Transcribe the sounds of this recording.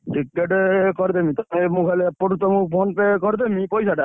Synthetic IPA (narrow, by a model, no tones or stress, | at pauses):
ʈikːeʈekɔɾt̪emit̪emukʰajlepoɾut̪ɔmukpʰɔnpekɔɾt̪̬emipɔjsaʈa